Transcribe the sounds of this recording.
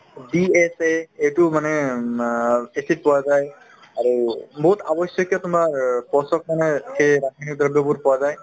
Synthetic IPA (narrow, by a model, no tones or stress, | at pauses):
bieseejtumanɛ | esit̚pɔwazaj | aɹubɔɦut̪abɔsjɔkjɔtʊmaɹpɔsɔk̚manɛxeɾakinik̚d̪ʱɔdɔbuɹpɔwazaj